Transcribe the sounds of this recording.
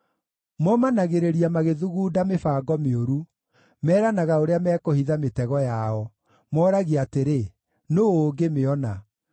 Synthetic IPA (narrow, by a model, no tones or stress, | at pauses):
mɔmanaɣeɾeɾiamaɣeðuɣuːdamefaːɡɔmeoɾu | mɛːɾanaɣaoɾeamɛːkohiðametɛɣɔjaɔ | mɔːɾaɣiateɾe | noːoːɡemeɔna